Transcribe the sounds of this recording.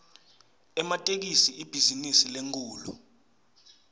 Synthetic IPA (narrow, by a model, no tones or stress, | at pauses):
ɛmatʼek̬isiib̥ʱizinisileŋk̬ʰʼuːlu